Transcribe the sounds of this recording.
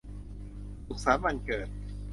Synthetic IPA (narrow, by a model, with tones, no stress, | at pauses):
ʔu˨˩k̚saː˩˦ma˧nkɤː˨˩t̪̚